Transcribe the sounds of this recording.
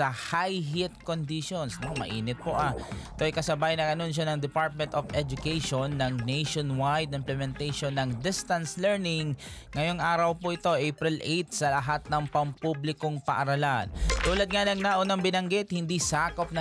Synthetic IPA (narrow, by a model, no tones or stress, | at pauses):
ɐhajɦɪt̪̚kond̪iʃonsnomɐ̰ʔiːnɪt̪̚poʔaɪt̪oʔɐjkɐsɐbajɪnɐɡɐnonʃ̬onɐŋd̪ɛpaɹt̪̚mɛnt̪ofʔɛd͡ʒʊkejʃonːɐŋnejʃonwajd̪ɪmplɛmɛnt̪ejʃonːɐŋd̪ɪst̪ɐnslɛɹnɪŋŋɐjo̞ŋʔaːɾɐwpoʔɪt̪o̞ʔɛpɾɪlʔejt̪̚sɐlɐɦat̪̚nɐŋpɐmpublɪkoŋpɐʔɐɾɐlant̪uːlɐd̪̚ŋanɐŋnaʔonɐŋbɪnɐŋɡɪt̪hɪnd̪isaːkop̚nɐ